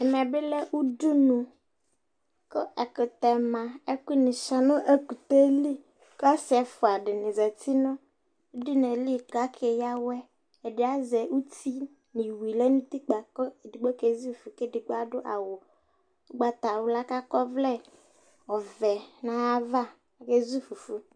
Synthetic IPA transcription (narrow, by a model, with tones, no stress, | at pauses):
ɛ˨mɛ˨bɪ˦lɛ˦ʔu˦du˦nũ˨ | kə˦ʔɛ˨kɪ˨t̪ɛ˨mã˨ɛ˦ki˦nɪ̃˨ʃa˨nʊ̃˦ʔe˦ku˨t̪e˦li˦ | ka˦sɪ˨ɛ˨fʊ˨a˨ɖɪ˨nɪ̃˨za˨t̪i˦nʊ̃˦ | di˦nɛ˨li˦˨ka˦kʰe˨ja˦wɛ˦ | ɛ˨dɪ˨˦a˦zɛ˨u˦ti˦ | nɪ̃˨wi˨lɛ˦nũ˦t̪i˦k͡pa˨kɔ˦˨dɪ˨ɡ͡bɔ˦ke˨˦zi˦˨fu˨ke˦˨dɪ˨ɡ͡ba˦dʊ˦ʔa̰˨wʊ˨˦ | ɡ͡ba˨t̪a˨wʊ˨˦la˦ka˦kɔ˦vlɛ˦ | ɔ˨vɛ˨nã˨a˦va˦˨ | ke˦zi˦fu˨fu˦